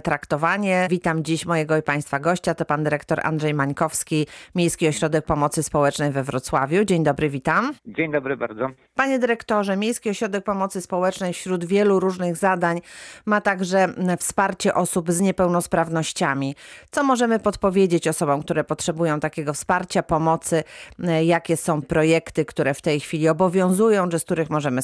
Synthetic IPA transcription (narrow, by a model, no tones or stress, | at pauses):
t̪ɾakt̪ɔvaɲɛvʲit̪amd͡ʑiɕmɔjɛɡɔipaj̃st̪faɡɔɕt͡ɕat̪ɔpand̪ɘɾɛkt̪ɔɾʔa̰ndʐɛjmaɲkɔfskʲimʲjejskʲiɔɕɾɔd̪ɛk̚pɔmɔt̪sɘspɔwɛt͡ʂnɛjvɛvɾɔt̪swavʲjud͡ʑeɲd̪ɔbɾɘvʲit̪amd͡ʑeɲd̪ɔbɾɘba̰ɾd̪zɔ | paɲɛd̪ɛɾɛkt̪ɔʐɛmʲjejskʲiɔɕɾɔd̪ɛk̚pɔmɔt̪sɘspɔwɛt͡ʂnɛjfɕɾud̪vʲjɛluɾuʐnɘɣzad̪aɲmat̪aɡʐɛfspaɾt͡ɕɛʔɔsubzɲɛpɛwnɔspɾavnɔɕt͡ɕamʲit̪sɔmɔʐɛmɘpɔt̪pɔvʲjed͡ʑet͡ɕɔsɔbɔ̃w̃kt̪uɾɛpɔtʂɛbujɔ̃t̪akʲɛɡɔfspaɾt͡ɕapɔmɔt̪sɘjakʲɛsɔ̃w̃pɾɔjɛkt̪ɘkt̪uɾɛft̪ɛjxfʲilʲiɔbɔvʲjɔ̃w̃zujɔ̃w̃ʐɛskt̪uɾɘxmɔʐɛmɘ